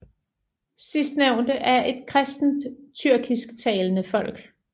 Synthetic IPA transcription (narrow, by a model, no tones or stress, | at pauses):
sisd̥neʊ̰nd̥əʔæɐʔe̝d̥̚kʰʁɛsd̥n̩d̥t͡sʰyɐ̰ɡ̥isɡ̥t͡sʰɛːlənəfɒ̽l̰ɡ̥